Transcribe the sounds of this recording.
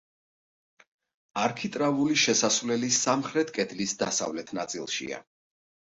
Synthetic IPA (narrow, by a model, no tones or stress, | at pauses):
aɾkʰit̪ʼɾavuliʃɛsasvlɛlisamχɾɛt̪ʰkʼɛd̪lisd̪asa̰vlɛt̪ʰnat̪sʼilˠʃḭa̰